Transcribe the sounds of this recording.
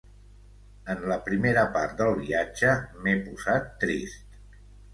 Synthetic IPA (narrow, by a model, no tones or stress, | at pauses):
ənləpɾimeɾəpaɾt̪d̪əlˠβiad͡ʒəmepuzat̪ːɾist̪